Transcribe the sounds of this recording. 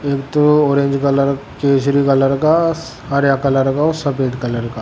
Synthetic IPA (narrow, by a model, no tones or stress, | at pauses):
eːkt̪ooːɾẽːɲd͡ʒkɐləɾkeːsɾikɐləɾka | aɾjakɐləɾkaosɐpeːd̪kɐləɾka